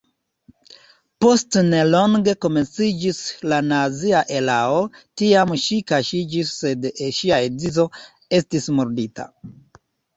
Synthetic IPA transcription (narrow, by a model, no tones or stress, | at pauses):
po̞stnelo̞ŋɡe̞ko̞me̞nt͡sid͡ʒislanaziaʔe̞laotiamʃikaʃid͡ʒisːe̞deʃiaed͡zizo̞ | e̞stismoɾditʰa̰